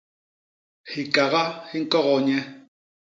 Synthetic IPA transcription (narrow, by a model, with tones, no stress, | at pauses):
hi˨kʼa˨ɣa˦hi˦ŋ̩˦kʼɔ˦ɣɔ˨ɲɛ˦